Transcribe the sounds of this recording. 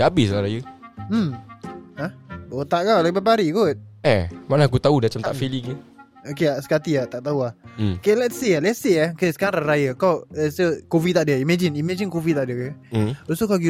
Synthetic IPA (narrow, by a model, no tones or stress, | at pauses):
aabɪsɾaɾajəm̩ | ahot̪aʔɡalababaɾiɡut̪̚ɛmanak̬ut̪audat͡ʃamt̪aʔfiliŋə | okeasə̥kat̪iat̪aʔt̪auahokelɛt̪sialɛtsiaokesəkaɾãnɾaɾajəkawɛsəkovit̪aʔdəimɛd͡ʒinimɛ̃d͡ʒinkovit̪aʔdjəkəosokaɡi